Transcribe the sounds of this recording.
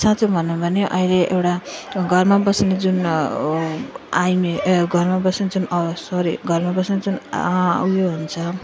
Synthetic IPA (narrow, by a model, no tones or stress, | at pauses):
sat͡sʰubʱʌnːubʱʌneʔʌ̰ileʔewʈaɡʱʌrmabʌsned͡zun | ajmeɡʱʌrmabʌsned͡zunʌsʌɾiɡʱʌrmabʌsned͡zun̰wjoɦunt͡sʰʌ